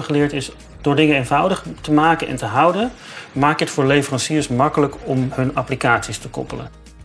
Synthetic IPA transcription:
χəlɪːɹtɪs | d̥ʊːɹdɪŋənejnvʌwdəχtəmaːkənɛ̰ntəɦʌwdənmaːkətfʊːɹlejvərɑnsirəsmɑkələkɔmɦɵnɑplikaːtsistəkɔ̰pələ̰n

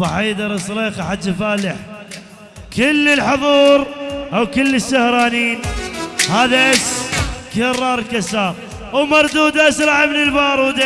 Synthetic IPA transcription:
aħiːd̪ɑɾˤɪsˤleːxaħad͡ʒːɪfaːlɪħ | kɪlːəlħʊðˤuːɾʔawkɪlːəsːahɾˤɑːniːnhaːðaʔaskɪrˤːɑːɾˤkasɑːɾ | wmɑɾˤd̪uːd̪aʔasɾˤɑʕəmnɪlbɑːɾˤwud̪a

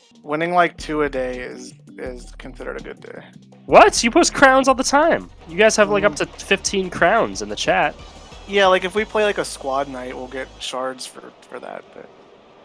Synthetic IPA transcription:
wɪ̃nɪ̃ŋlaɪk̚tʰʉɨdeɪɪ̰z̥ɪz̥kʰn̩sɪɾə̰˞ɾɨɡʊ̰dḛɪ | wʌtjɨpʰoʊskʰɹ̥ãʊ̃nzɔlˠðətʰãɪ̃m | jɨɡaɪz̥ɨvlaɪkʌp̚tʰɨfɪftʰĩnkʰɹ̥ãʊ̃nzɨ̃nðɨt͡ʃʰæt̚jælaɪkɨfwipʰl̥eɪlaɪkɨskwɑdⁿnaɪt̚wilˠɡɛt̚ʃɑɹdz̥fə̰˞fə̰˞ðæ̰t̚b̥ʌ̰t̚

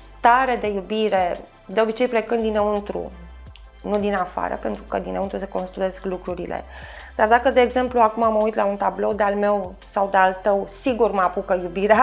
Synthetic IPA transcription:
st̪aɾe̞d̪e̞jubiɾe̞ | d̪e̞o̞bit͡ʃe̞jplekɨnd̪ineunt̪ɾṵ | nud̪inafa̰ɾə̰pe̞nt̪ɾukəd̪ineunt̪ɾuseko̞nst̪ɾue̞sklukɾuɾḭlʔḛ | d̪̥ard̪akəd̪e̞ːɡze̞mpluakumaməujt̪launt̪ablo̞wd̪ealme̞w | sawd̪ealt̪əwsiɡurməapukəjubiɾea

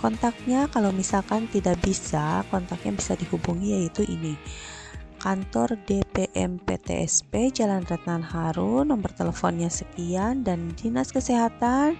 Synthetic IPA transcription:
kɔnt̪ak̚ɲakalawmisalkant̪idaʔbisakɔnt̪ak̚ɲabisadihubuŋijait̪uʔḭni | kant̪ɔrdepeʔɛ̰mpḛt̪ḛʔɛ̰sped͡ʒalanrɛt̪̚nanɦaɾunməmbərt̪eləfɔnɲasəkiandandinaskəseɦat̪an

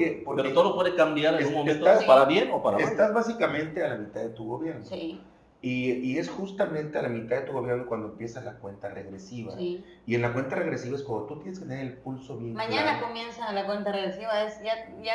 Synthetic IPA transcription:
kepoɾkeɾoet̪oopweðekambjaɾeunmomẽnt̪oapaɾaβjenopaɾaeast̪azβasikamẽ̞nt̪e̞alamit̪aððe̞t̪uɣo̞βje̞ɾnosi | iie̞sxust̪amẽnt̪e̞alamit̪aðe̞t̪uɣo̞βje̞ɾno̞kwand̪oempjesazlakwe̞nt̪arḛɣɾesiβa̰i | ie̞nlakwe̞nt̪are̞ɣɾesiβaeskomot̪ut̪jenesket̪eneɾelpulso̞βjenmãɲaanako̞mjensalakwe̞nt̪areɣɾesiβaesjaja

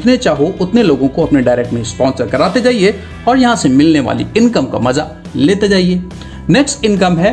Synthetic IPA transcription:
t̪net͡ʃaːɦoʔʊt̪neloːɡõkoɐpneɖaːɾeːk̚ʈmẽspɔ̃ːnsəɾkɐɾaːt̪ed͡ʒaːie | ɔːɾjɐɦãsemɪlneʋa̰ːlḭɪnkəmka̰mɐza | leːt̪ed͡ʒaːieː | neːksʈɪ̃nkɐmɦɛː

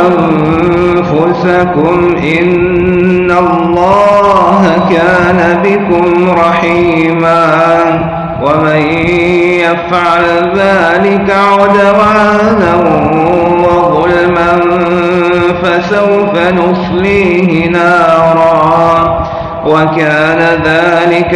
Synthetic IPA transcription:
ʔam | fʊsakʊm | ʔɪnː | allˤːɑːɦakaːnabɪkʊmɾˤɑħiːmaː | wamaj | jafʕal | ðaːlɪkaʕʊd̪awaːna | wɑðˤʊlman | fasawfanʊsˤliːhɪnaːɾˤɑː | wakaːnaðaːlɪk

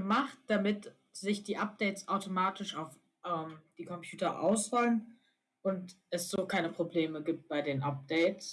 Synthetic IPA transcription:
əmaχt̚d̥amɪt | z̥ɪçd̥iːʔap̚d̥ɛɪtsʔaʊtomaːtʰɪʃaʊf | ʔɛːmd̥iːkʰɔmpʰj̥uːtɐʔa̰ʊsv̥ɔlən | ʔʊntʔɛsz̥oːkʰaɪnəpʁ̥obleːməɡiːp̚t̚b̥aɪdeːnʔap̚d̥ɛɪts

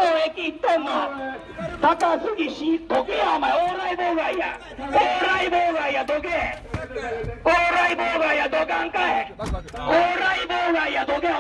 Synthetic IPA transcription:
oekʲit̪ːoma | t̪akasɨɡiɕid̪oɡejamaeoːɾaiboɡaija̰ | oːɾaiboːɡaijad̪oɡe | oːɾaiboːɡaijad̪oɡãŋkae | oːɾaiboːɡaijad̪oɡe

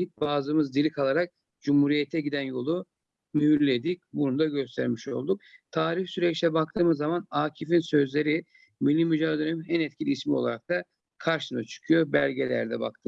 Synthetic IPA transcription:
ip̚baːzɯmɯzd̪ilʲikʰalˠaɾak̚ | d͡ʒumhuːɾijet̪ʰɛɟid̪ænjo̞lˠu | myhyɾlːʲed̪ic̚buɾund̪aɟø̞st̪ʰæ̰ɾmiʃo̞̰lˠd̪uk̚t̪ʰaːɾifsyɾɛt͡ʃt̪ʲɛbak̚t̪ʰɯːmɯzːamanaːcʰifinsø̞zlʲe̞ɾi | milʲːimyd͡ʒaːd̪eɾeminænɛt̪cʲʰilʲiːsmio̞lˠa̰ɾak̚t̪ʰa | kʰaɾʃɯnat͡ʃʰɯ̥kʰɯjo̞bæ̰lʲɟe̞lʲæ̰ɾd̪ɛba̰k̚t̪ʰɯ

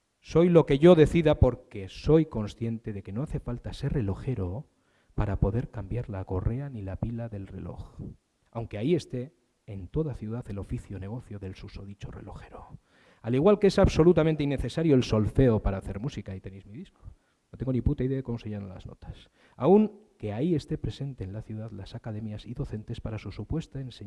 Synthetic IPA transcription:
so̞jlo̞ke̞ʝo̞ðe̞θiðapo̞ɾke̞so̞jko̞nsθje̞nt̪e̞ðe̞ke̞noaθe̞falt̪ase̞re̞lo̞xe̞ɾo̞ | paɾapo̞ðe̞ɾkambjaɾlako̞re̞anilapilaðe̞lre̞̰lo̞̰x | awŋkeaie̞st̪e̞ː | nt̪o̞ðaθjuðaθe̞lo̞fiθjo̞ne̞ɣo̞θjo̞ðe̞lsusoðit͡ʃo̞re̞̰lo̞xe̞ɾo | aliɣwalkee̞saβso̞lut̪amẽnt̪̬einːe̞θe̞saɾjo̞elso̞lfe̞opaɾaːθe̞ɾmusikait̪e̞nejzmiðisko | not̪eŋɡoniput̪aiðeaðekomo̞seʎanala̰zno̰t̪ḁs | auŋke̞aie̞st̪e̞pɾe̞se̞nt̪e̞ːnlaθjuðaðlasakaðe̞mjasiðo̞θe̞nt̪e̞spaɾasusupwe̞st̪aense

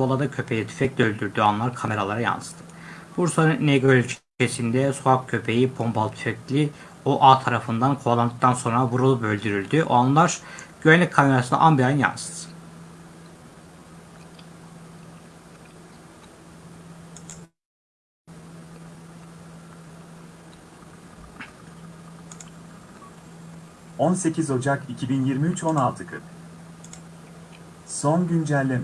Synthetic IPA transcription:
olˠad̪acʰø̞pʰejɛt̪ʰy̥fɛclʲøølʲd̪yɾd̪yanlˠaɾkʰame̞ɾalˠaɾaja̰nɯst̪ʰɯ̥ | b̥uɾsaɾɯnneɡølʲyt͡ʃʰi̥ycʰesind̪ɛsuakcʰø̞pʰe̞jibʰo̞mbalˠt̪ʰy̥fɛklʲi | oʔaːt̪ʰaɾafɯnd̪ankʰolˠand̪ɯk̚t̪ʰanso̞nɾavuɾulˠubø̞lʲd̪yɾylʲd̪yʔo̰anlˠaɾɟ̥øɛnːʲɛc̚kʰːame̞ɾasɯna̰ʔambiajɯnja̰nsɯ̥z̥ | o̞nse̞cʰizo̞d͡ʒakicʰibinjiɾmiyt͡ʃʰo̞nalˠt̪ʰɯkʰɯp | sonɟynd͡ʒælʲːe

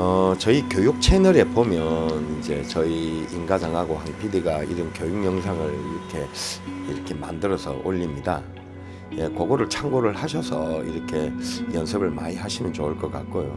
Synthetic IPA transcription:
ʌt͡ɕʌikjojuk̚t͡ɕʰe̞nɯɾe̞pomjʌnind͡ʑe̞t͡ɕʌiːnɡad͡ʑaŋɦaɡohanpʰidiɡaḭɾɯnkjojuŋmjʌŋsʰaŋɯɭiɾʌkʰe̞iɾʌkʰe̞ma̰ndɯɾʌsʰʌ̰ʔoʎːimɲida̰ | jekoɡoɾɯɭt͡ɕʰaŋɡoɾɯɭhaɕʰʌsʰʌ̰ḭɾʌkʰe̞jʌnsʰɯbɯɭma̰ɲiɦaɕʰimjʌnt͡ɕouɭk͈ʌk͈ak͈ojo

